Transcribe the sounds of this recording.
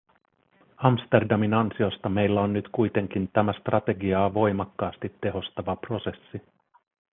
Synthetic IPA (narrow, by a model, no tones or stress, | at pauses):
ɑmst̪e̞rdɑminɑnsio̞st̪ɑme̞jlːæo̞nːyt̪kujt̪e̞ŋk̟int̪æmæst̪rɑt̪e̞ɡiɑːʋo̞jmɑkːɑːst̪it̪ːe̞ɦo̞st̪ɑʋɑpro̞se̞sːi